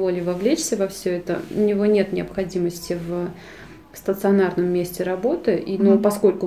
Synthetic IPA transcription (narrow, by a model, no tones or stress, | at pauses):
volʲɪjvɐvlʲet͡ɕsʲəvɐfsʲɵɛt̪ə̰ʊnʲɪvo̞nʲe̞t̪nʲɪɐpxɐdʲiməsʲtʲɪv | st̪ət̪sɨɐnarnəmːʲesʲtʲɪɾɐbo̞t̪ɨʔinopɐsko̞lʲkʊ